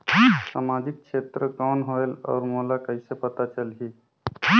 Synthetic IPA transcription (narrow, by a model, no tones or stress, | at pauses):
samad͡ʒik̚t͡ʃʰet̪ɾəkaːnɦoelɔ̰ːɾmolakəɪsepət̪at͡ʃəlɦi